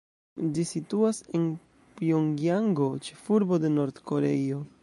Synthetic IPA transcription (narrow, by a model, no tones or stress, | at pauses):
d͡ʒisituase̞n | pioŋɡjaŋɡo̞t͡ʃe̞fuɾbo̞de̞no̞ɾdko̞ɾe̞̰jo̞